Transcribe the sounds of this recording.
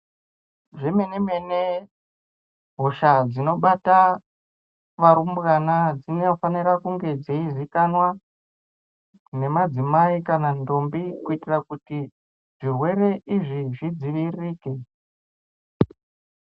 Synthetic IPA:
ʐeme̞neme̞ne | ɦo̞ʃad͡zino̞ɓata | ʋaɾumbɣanad͡zinefaniɾakuŋɡe̞d͡zeizikanwa | ne̞mad͡zimaikanando̞mbikuitirakuti | ʐ̥irwe̞ɾe̞ʔiʐiʐid͡ziʋiriːke̞

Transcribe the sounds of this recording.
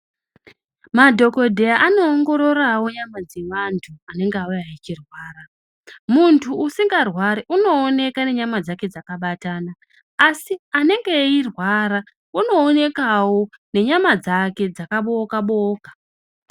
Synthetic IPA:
madʱo̞ko̞dʱe̞jaʔano̞ːŋɡo̞ɾo̞rawo̞ɲamad͡ze̞ʋantʰuane̞ŋɡeaujait͡ʃirwaːɾa | muntʰuːsiŋɡarwaɾeʔuno̞ːne̞kane̞ɲamad͡zake̞d͡zakaɓataːnaː | siane̞ŋɡe̞irwaɾa | uno̞ːne̞kawo̞ne̞ɲamad͡zake̞d͡zakaɓokaɓoːkḁ

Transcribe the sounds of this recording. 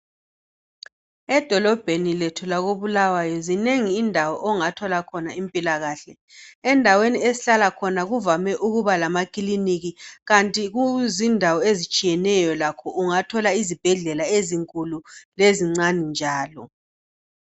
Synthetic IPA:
ɛd̥ʱɔlɔb̥ʱeniletʰulaɣoβulawajɔzineŋiːndʱawɔʔɔŋatʰɔlakʰɔnaimpʼilaɣaɬɛ | ɛndʱaweniesiɬalakʰɔnaɣuvamɛʔuɣuβalamakʼiliniɣiɣantʼiɣuzindʱawɔezit͡ʃʼijɛnɛjɔlakʰɔuŋatʰɔlaizib̥ʱɛɮɛlaeziŋkʼululeziŋ͡ǀanind͡ʒʱaːlɔ̰

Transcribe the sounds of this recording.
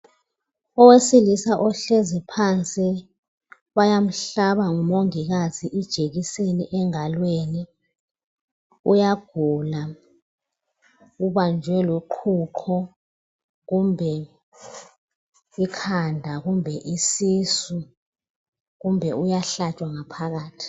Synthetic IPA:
ɔwesilisaʔɔɬezipʰant͡sʼi | wajam̩ɬaɓaŋumoŋik̬aziʔid̥ʒ̥ʱek̬isenḭʔɛŋalweni | ṵjaɡ̥ʱula | uɓand͡ʒʱwɛloǃʰuǃʰɔ | ɣumbʱɛ | ikʰandʱak̬umbʱɛʔisisu | kumbʱɛujaɬat͡ʃʼwaŋapʰak̬aːtʰi̥

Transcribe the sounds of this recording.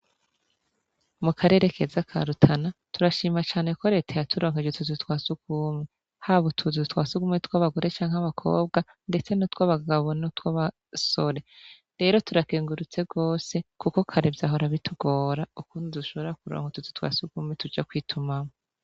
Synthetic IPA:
mukʰaɾe̞ːɾe̞kʰe̞zakʰa̰ɾutʰanatuɾaʃiːmat͡ʃaːneko̞ɾe̞ːtʰajatʰuɾo̞ːŋhed͡ʒetuzitwaːsuɡume | haβutʰuzitwaːsuɡumetwaβaɡuɾe̞t͡ʃaːŋ̥aβakʰo̞̰ːbɡa | nde̞t͡se̞notwaβaɡaβo̞notwaβa | so̞ɾe̞ | ɾe̞ːɾo̞tuɾakeːŋɡuɾut͡se̞ɡo̞ːse̞kuko̞kʰaɾebjaɦo̞ɾaβitʰuɡo̞ːɾaukuːndiduʃo̞βoɾakuɾo̰ːŋhotuzitwa̰ːsuɡ̥umetud͡ʒakwiːtʰumamo

